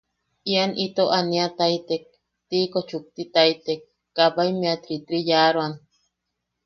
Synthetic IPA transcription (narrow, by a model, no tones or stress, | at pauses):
ianʔit̪oʔaniat̪ait̪ek̚ | t̪ikot͡ʃuk̚t̪it̪ait̪ekː | apaimeat̪ɾit̪ɾijaɾoan